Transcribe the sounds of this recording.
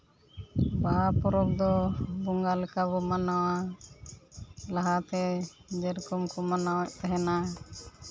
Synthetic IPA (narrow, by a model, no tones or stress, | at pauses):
bapɔɾɔk̚d̪ɔbɔŋɡalɛkabɔmanawa | laɦat̪ɛd͡ʒɛɾkɔmkɔmanawɛʔ̚t̪ɛɦɛna